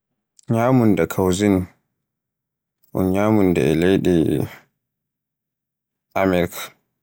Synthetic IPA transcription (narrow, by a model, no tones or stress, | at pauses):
ɲaːmundɛkʰawzin | ʔṵnɲaːmundɛ̰ɛlejɗɛ | ʔamɛɾk